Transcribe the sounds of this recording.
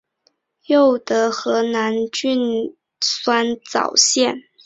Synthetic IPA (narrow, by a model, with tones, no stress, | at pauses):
jo˥˩ʊd̪ə˩xɤ˧˥na˧˥nt͡ɕy˥n | swa˥nt͡sɑ̰˨˩ʊɕjɛ˥˩n